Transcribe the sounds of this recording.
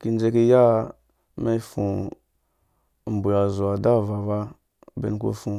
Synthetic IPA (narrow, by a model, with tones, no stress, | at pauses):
ki˨n˦d͡ʒe˦ki˦ja˦ | me˦fṵ˨ | m̩˨bu˨a˨zu˨a˨da˦˨va˨va˦ | bḛ˦n˦ko̰˦fu˨